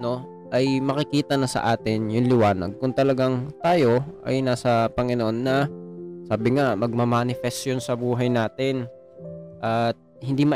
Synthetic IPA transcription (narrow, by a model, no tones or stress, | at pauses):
no̞ | ʔɐjmɐkɪkiːt̪ɐnɐsɐ̰ʔaːt̪ɪnjʊnlɪwaːnɐ̰ɡ̚kʊŋt̪ɐlɐɡaŋt̪aːjo̞ʔɐ̰jnaːsɐpɐŋɪnoʔonːɐsaːbɪŋamɐɡ̚mɐmanɪfɛst̪jonsɐbuːɦɐjnaːt̪ɪn | ʔɐt̪̚hɪnd̪imɐ